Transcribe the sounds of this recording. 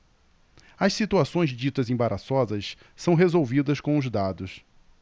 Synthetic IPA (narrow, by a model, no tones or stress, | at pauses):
ɐʃsit̪uasõj̃zd͡ʒit̪ɐzẽbaɾʔasɔzɐs | sɐ̃w̃ɦezowvid̪ɐskõʊzd̪ad̪ʊs